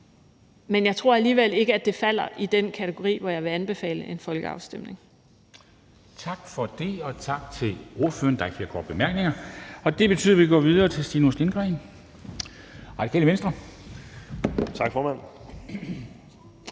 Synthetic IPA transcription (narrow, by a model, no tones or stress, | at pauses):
menjɑ̈ɪt͡sʰʁo̝ɐæliːʋel̰e̝ɡ̥əæd̥e̝fæl̰ɐʔid̥enkʰæt͡sʰeɡ̥o̝ʁḭːʋɒjɑɪʋe̝ænb̥e̝fɛ̰ːləʔe̝nfɒ̽lɡ̥əɑ̈ʊsd̥em̰ne̝ŋ | t͡sʰɑ̈ɡ̥fɒ̽d̥e̝ɒ̽t͡sʰɑ̈ɡ̥t͡sʰe̝lo̝ɐfø̰ːɐnd̥ɑ̈ɪkʰfʰiɑɡ̥ʰɒ̰ːd̥̚b̥emæɐɡ̥ne̝ŋɐɒ̽d̥e̝b̥e̝t͡sʰy̰ð̰ˠɐʋiɡ̥ɒ̰ːʋiðˠɐːt͡sʰe̝sd̥iːnuslenɡ̥ʁɛɪn | ʁɑ̈di̥kʰɛ̰ːləʋensd̥ʁɐ | t͡sʰɑ̈ɡ̥fɒːmæn̰